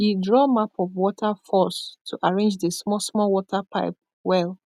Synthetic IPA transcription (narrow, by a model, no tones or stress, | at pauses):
idɹɔmapʰɔvwɔtʰafɔstʰuʔaɹẽnd͡ʒðəsmɔsmɔlwɔtʰapʰa̰ɪp̚ | wɛl